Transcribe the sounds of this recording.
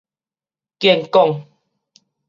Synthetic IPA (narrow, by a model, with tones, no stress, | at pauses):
kje˧˨ŋkɔ˥˧˨ŋ